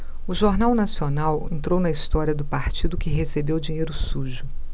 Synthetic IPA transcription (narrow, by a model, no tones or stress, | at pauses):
ʊʒoɾnawnasionawḛ̃nt̪ɾownɐist̪ɔɾiɐd̪ʊpaɾt͡ʃid̪ʊkɪɦesebewd͡ʒiɲejɾʊsuʒʊ